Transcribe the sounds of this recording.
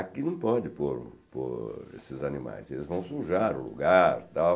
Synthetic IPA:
akinɐ̃w̃pɔd̪ɪpoɾpo̰ɾḛsɪzanima̰jzelɪzvɐ̃w̃suʒaɾʊ̰lṵɡaɾt̪aw

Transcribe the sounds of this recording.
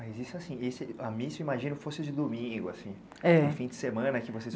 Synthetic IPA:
mɐjzisʊasĩesɪamĩsewimaʒĩnʊfosɪʊd͡ʒɪd̪umĩɡʊasĩ | ɛẽfĩd͡ʒɪsemɐ̃nɐkɪvoses

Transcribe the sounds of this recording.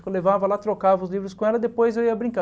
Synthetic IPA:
kolevavɐlat̪ɾokavɐʊzlivɾʊskõɛlɐd̪epojzewiɐbɾĩŋka

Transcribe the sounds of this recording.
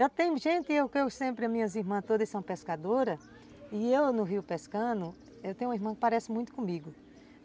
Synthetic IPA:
ʒat̪ẽj̃ʊʒẽnt̪ɪewkɪewsẽpɾɪɐmĩɲɐziɦmɐ̃t̪od̪ɐsɐ̃w̃ɐ̃peskad̪oɾɐ | ɪewnʊɦiwpeskɐ̃nʊ | ewt̪ẽj̃ũɐiɦmɐ̃kɪ̥paɾɛsɪmũj̃t̪ʊ̥kõmiɡʊ

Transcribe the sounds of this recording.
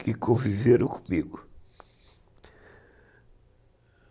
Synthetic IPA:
kʰɨkʰõviveɾũko̥miɣu

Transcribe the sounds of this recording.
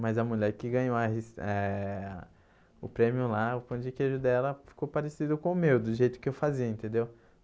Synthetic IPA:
mɐzɐmuʎɛɾkɪɡɐ̃ɲowɐhisɛ | ʊpɾẽmiʊlaʊpɐ̃d͡ʒikeʒʊd̪ɛlɐfi̥kowpaɾesid̪ʊkõʊmewd̪ʊʒejt̪ʊ̥kɪewfaziɐẽnt̪ẽnd̪ew

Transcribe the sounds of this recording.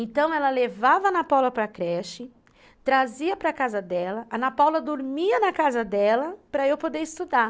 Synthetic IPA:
ẽnt̪ɐ̃w̃ɛlɐlevavɐnapawlɐpɾɐkɾɛʃɪ | t̪ɾaziɐpɾɐakazɐd̪ɛlɐʔɐnapawlɐd̪oɾmiɐnɐkazɐd̪ɛlɐpɾɐewpod̪eɾɪst̪ud̪a

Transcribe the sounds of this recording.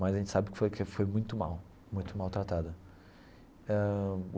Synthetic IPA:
majzaɐʒẽnt͡ʃɪsabɪkɪ̥fojkɪfojmũj̃t̪ʊma̰w | mũj̃t̪ʊmawt̪ɾat̪ad̪ɐ | ɛ

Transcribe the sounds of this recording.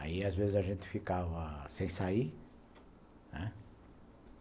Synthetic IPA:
a̰iazvezɪzɐʒẽnt̪ɪ̥fikavɐsẽj̃sai | nɛ

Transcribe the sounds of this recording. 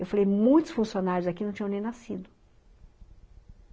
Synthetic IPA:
ewfalejmũj̃t̪ʊ̥sfũsionaɾjʊzakinɐ̃w̃t͡ʃĩɲ̃ɐ̃nẽj̃nasid̪ʊ

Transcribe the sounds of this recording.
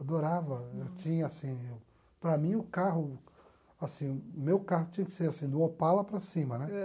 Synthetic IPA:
ad̪oɾavɐewt͡ʃĩɲɐsĩew | pɾɐmĩʊkaɦʊ | asĩmewkaɦʊt͡ʃĩɲɐkɪ̥seɾasĩd̪ũɐpalɐpɾɐsĩmɐnɛ

